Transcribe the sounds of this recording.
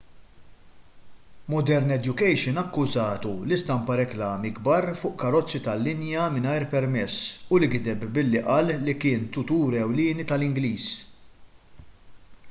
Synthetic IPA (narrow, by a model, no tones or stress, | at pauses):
mɔd̪ɛɾnɛd̪jʊkɛjʃɪnɐkːʊzɐːt̪ulɪst̪ɐmpɐɾɛklɐːmiɡbɐɾfʊːʔkɐɾɔt͡sːit̪ɐlːɪnjɐmɪnɐjɾpɛɾmɛsːʊlɪɡd̪ɛbbɪlːiʔɐːlːikɪːnt̪ʊt̪uːɾɛwlɪːnit̪ɐlɪŋɡliːs